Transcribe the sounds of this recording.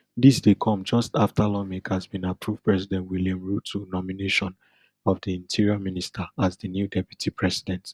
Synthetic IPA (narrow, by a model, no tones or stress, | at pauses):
disdekʰɔ̃md͡ʒɔstaftʰalɔmikhazbĩnapʰɹuvdpɹɛsidɛ̃ntwiljãmɹutʰːunɔmineʃɔ̃n | ɔvdiĩntʰiɹiamĩnistʰəazdənjudɛpju̥tʰipʰɹɛsidɛ̃nt